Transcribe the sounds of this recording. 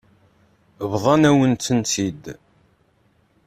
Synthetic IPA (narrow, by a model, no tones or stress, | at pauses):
vðˤɑnæwənt͡s̪ːənt̪id̪